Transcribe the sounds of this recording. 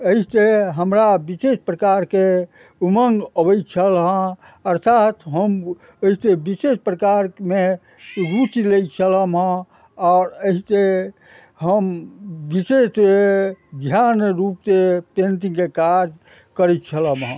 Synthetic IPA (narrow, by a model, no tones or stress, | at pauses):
əit̪eɦəmɾabisespɾəkaɾke | uməŋɡəbəjt͡ʃʰəlɦə̃ | əɾt̪ʰat̪ɦəm | əisebisespɾəkaɾme | ɡut͡ʃilej̚t͡ʃʰələmɦə̃ | ɔːɾəɦise | ɦəmbisesed̪ʱjanɾup̚t̪epenʈĩŋɡkekad͡ʒ | kəɾɛt̪̚t͡ʃʰələmɦə̃